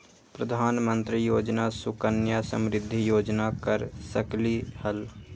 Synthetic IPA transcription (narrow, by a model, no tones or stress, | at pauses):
pɾəd̪ʱaːnmə̃nt̪ɾijoːd͡ʒnasʊkənjasə̰̃mɾɪd̪ʱːijoːd͡ʒnakəɾsəklihəl